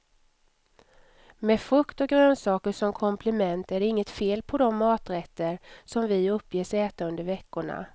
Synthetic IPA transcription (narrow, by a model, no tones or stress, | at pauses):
mɛfɵkt̪ɔɡɾøːnsɑːkəʂɔmkʰɔmpʰlɪmɛnt̪æɖɛɪŋːət̪feːlpʰɔd̪ɔmːɑːt̪ɾɛt̪ːəɾsɔmvɪɵpːjeːsɛːt̪aɵnd̪əɾvɛkːʊɳa̰